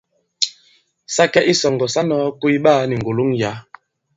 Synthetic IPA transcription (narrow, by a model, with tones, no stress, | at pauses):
sa˦kɛ˦ʔi˦sɔ˨ŋɡɔ˨sa˦nɔ˦ku˦i˦ɓaː˦ni˨ŋ˨ɡo˨lu˦ŋja˨˦